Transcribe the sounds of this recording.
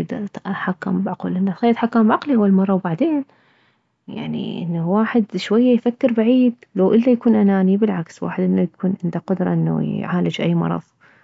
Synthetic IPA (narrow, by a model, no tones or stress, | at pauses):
d̪t̪ħakːambʕaqṵːlʔɪnːaːt̪ħakːaːmbʕaqliʔawːalmɑrˤːɑwbaʕd̪eːn | ja̰ʕnḭʔɪnːawaːħɪd̪ʃwajːajfakːɪɾbaʕiːd̪lawʔɪlːajakuːnʔanaːnibɪlʕakswa̰ːħɪd̪ʔɪnːajakʰuːnʕɪnd̪aqʊd̪ɾˤɑ̰ʔɪnːa̰jʕaːlad͡ʒʔajːmɑ̰ɾˤɑ̰ðˤ